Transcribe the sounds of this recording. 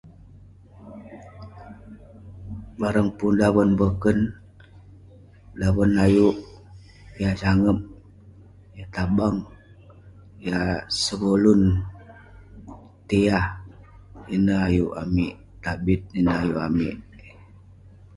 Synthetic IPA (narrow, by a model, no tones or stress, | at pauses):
baɾəŋpundaβənbəkən | daβənajuʔ | jad͡ʒaŋəp̚ | jat̪abaŋ | jasəbolun | t̪eah | inəajuʔamiʔ | t̪abit̪̚inəajuʔamḭʔ